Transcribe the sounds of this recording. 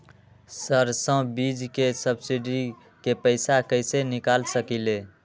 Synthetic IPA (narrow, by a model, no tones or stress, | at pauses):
səɾsə̃bid͡ʒkesəbsiɖi | kepəɪsakəɪsenikalsəkile